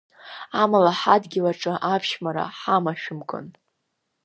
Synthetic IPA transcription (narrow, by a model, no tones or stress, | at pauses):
amalaħadɡʲɪlaʈ͡ʂʼaʔapʰʃmaɾa̰ħamaʃᶣʊmkʼɨ̰n